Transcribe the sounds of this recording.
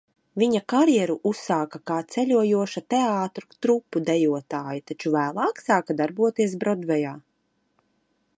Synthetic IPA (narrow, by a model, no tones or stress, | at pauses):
viɲakaɾjɛɾuʔusaːkakaːt̪sɛʎʲuɔjuɔʃat̪ɛaːt̪ɾut̪ɾupːud̪ɛjuɔt̪aːjit̪at͡ʃuvæːlˠɑːksaːkad̪aɾbuɔt̪iɛs̬bɾɔd̪vɛjaː